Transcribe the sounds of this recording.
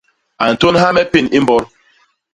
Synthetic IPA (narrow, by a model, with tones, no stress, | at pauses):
a˨n̩˨to˦nha˦mɛ˦pi˦ni˦m˦bɔ˦ɾ